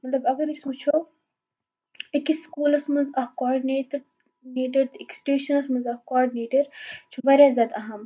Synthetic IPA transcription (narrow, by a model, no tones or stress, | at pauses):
mɐt̪lɐbɐɡɐɾismut͡ʃʰo | ekiskuːlɐsmɐnzɐhkɔːɾɖineːʈɾ | neːʈɐɾt̪eksʈeːʃɐnɐsmɐnzɐhkɔːɾɖineːʈɐɾt͡ʃʰubɐɾʲjaːzʲjad̪ɐɦɐm